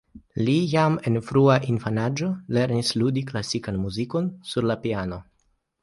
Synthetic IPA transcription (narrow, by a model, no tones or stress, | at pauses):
lijame̞nfɾuaʔinfanad͡ʒo̞le̞ɾnisludiklasikanmuziko̞nsuɾlapiano̞